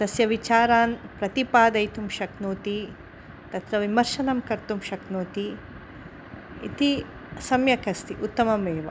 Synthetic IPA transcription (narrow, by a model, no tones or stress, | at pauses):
d̪̥ɐsjɐʋit͡ʃaːɾaːnpɾɐt̪ipaːd̪ɐjt̪umʃɐknoːt̪i | t̪ɐt̪ɾɐʋimɐɾʃɐnɐmkɐɾt̪umʃɐknoːt̪i | ḭt̪i | sɐmjɐkɐst̪iʔut̪ːɐmɐmeːʋɐ